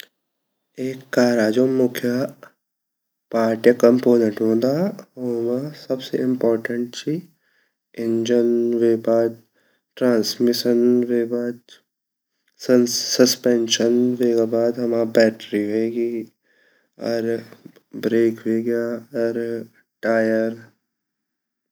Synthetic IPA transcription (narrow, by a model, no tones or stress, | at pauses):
eːkːaːɾaːd͡ʒomʊkʰja | paːɾʈjakəmpoːnə̃ɳʈɦõːnd̪aoːmasɐbseɪ̃mpɔːɾʈə̃ɳʈt͡ʃʰi | ɪ̃ɲd͡ʒənʋeːbaːd̪̚ | ʈɾãːnsmɪʃənʋebaːd̪ | səspenʃənʋeːɡabaːd̪ɦɐmãbɛːʈɾiɦoeːɡi | ɔ̰ɾ | bɾeːkʋeɡjaɔɾ | ʈaːjəɾ